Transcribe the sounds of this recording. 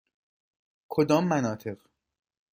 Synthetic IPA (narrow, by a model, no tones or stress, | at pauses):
kʰod̪ɒːmːænɒːt̪ʰe̞ʁ